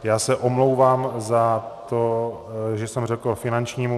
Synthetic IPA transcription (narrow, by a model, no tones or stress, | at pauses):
jaːsɛʔomlo̞wvaːmzat̪o̞ | ʒɛsɛmrɛkl̩fɪnant͡ʃɲiːmu